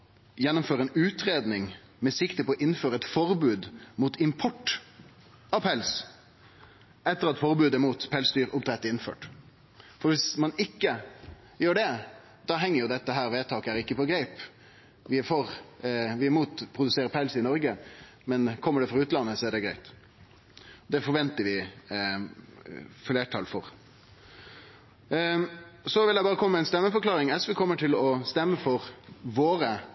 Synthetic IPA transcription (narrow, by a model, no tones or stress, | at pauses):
jɛnːʊmføːɾəɛnʉːt̪ɾeːd̪nɪŋ | mɛsɪkt̪əpʰɔɔʔɪnːføːɾəɛt̪fɔɾbʉːd̪muːt̪ʰɪmpʰɔʈː | ɑʋpʰɛls | ɛt̪ːəɾɑt̪fɔɾbʉːd̪əmuːt̪pʰɛlsd̪yːɾʊpt̪ɾɛt̪ːəɪnfø̰ːʈ | fɔɾʋɪsmɑnɪkːə | jøːɖɛ | d̪̥ɑɦɛŋːəɾjʊd̪ɛt̪ːəɦæːɾʋeːt̪ʰɑːkəæɾɪkːəpɔɡɾæɪp | ʋɪæɾfɔɾʋɪæɾmuːt̪pʰɾʊd̪ʉseːɾəɾpʰæɪlsəɪnɔɾɡə | mɛnkʰɔmːəɖɛfɾʁɑʉːt̪lɑnːəsɔæɖɛɡɾæɪt̪ | d̪ɛfɔɾʋɛnt̪əɾʋɪ | fleːʈʰɑ̰lfɔɾ | sɔʋɪldjæɪbɑːʁəkʰɔməmæɪnst̪ɛmːəfɔɾkʰlɑːɾɪŋɛsʋɛkʰɔmːəʈʰɪlɔst̪ɛmːəfɔɾʋoːɾə